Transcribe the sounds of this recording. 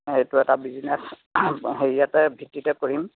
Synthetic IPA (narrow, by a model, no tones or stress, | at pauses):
ejtuɛtabizines | ɦeɹijatɛbʱitːitɛkoɹim